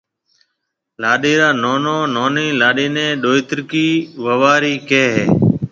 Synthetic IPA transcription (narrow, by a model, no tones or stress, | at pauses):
laːɗiːɾaːnoːnoːnoːnĩːlaːɗiːnẽːɗoːɪt̪ɾkiːʋəʋaːɾiːkeːɦeː